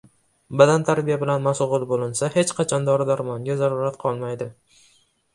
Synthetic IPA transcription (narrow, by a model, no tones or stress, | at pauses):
bad̪ant̪ʰaɾbijabɪlanmasʁʊlˠbolˠɪnsahe̞t͡ʃqʰɑt͡ʃʰɒnd̪ɒɾɪd̪aɾmɒŋɡʲazaɾʊɾat̪qʰɒlˠmajd̪ɪ